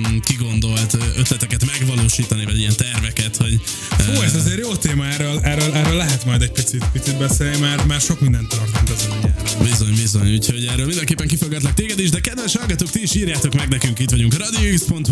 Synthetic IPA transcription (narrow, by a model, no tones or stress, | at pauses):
kiɡo̞nd̪o̞lt̪øt̪lɛt̪ɛkɛt̪mɛɡʋɒloːʃiːt̪ɒnivɒ̰ɟijɛnt̪ɛrvɛkɛt̪ho̞ɟ | oːɛzɛzeːɾjoːt̪eːmɒɛɾolɛrolɛːɾoːlːɛɦɛt̪mɒjd̪ɛc̚pit̪sit̪pit̪sit̪̚bɛseːlnimaːrmaːrʃo̞kmind̪ɛnt̪ːɒrt̪ont̪ɒziɲɛbizo̞ɲbizo̞ɲuːcho̞ɟɛːrːøːlmind̪ɛŋkeːpːɛŋkifolɡɛt̪lɛkt̪eːɡɛd̪iːʒd̪ɛkɛd̪ʋɛʃhɒlɡɒt̪oːk̚t̪iiʃiːrjaːt̪o̞kmɛɡnɛkyŋkiːt̪ʋɒɟuŋkrɒd̪ioikspo̞nt̪